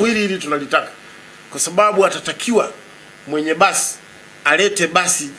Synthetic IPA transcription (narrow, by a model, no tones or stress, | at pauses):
iɾilitunalitakḁ | kwasaɓaɓuatatakʰiwa | mwɛɲɛɓasi̥ | alɛtɛɓasi